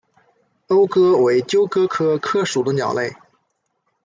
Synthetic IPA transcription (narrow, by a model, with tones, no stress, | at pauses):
o˥ʊkɤ˥we˧˥ɪt͡ɕjo˥ʊkɤ˥kʰɤ˥kʰɤ˥˩ʂu˨˩d̪ə˧˥njɑ̰˨˩ʊle˥˩ɪ